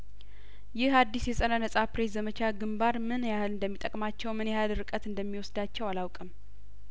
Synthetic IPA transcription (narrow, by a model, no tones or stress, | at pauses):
jɪhad̪ːisjɛsʼənənəsʼapɾezəmət͡ʃʰaɡɨmbaɾmɨnjahɨlɨnd̪əmːit̪ʼəkʼmat͡ʃːɛwmɨnehalɾɨkʼət̪ɨnd̪əmːiwɔsd̪at͡ʃːɛwalawkʼɨm